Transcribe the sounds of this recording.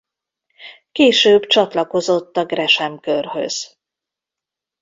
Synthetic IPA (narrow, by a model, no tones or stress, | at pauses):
keːʃøːbt͡ʃɒt̪lɒko̞zo̞t̪ːɒɡrɛʃɛmkørɦø̰z̥